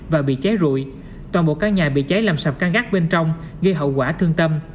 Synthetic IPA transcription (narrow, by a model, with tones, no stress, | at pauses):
vaː˨˩ɓḭ˧˨t͡ɕe˨˦jzṵ˧˨j | t̪waː˨˩nɓo̰˧˨kaː˦˥k̚ɲaː˨˩ɓḭ˧˨t͡ɕe˨˦jlaː˨˩msa˨˩p̚kaː˧ŋɣaː˦˥k̚ɓe˧nt͡ɕɔ˧wŋ͡m | ɣi˧ɦə̰˧˨wkwaː˧˩t̪ʰɨ˧əŋt̪ə˧m